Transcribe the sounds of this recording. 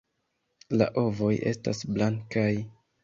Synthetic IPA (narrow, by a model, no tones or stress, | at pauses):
la̰ʔo̞vo̞jʔe̞sta̰sblaŋkaj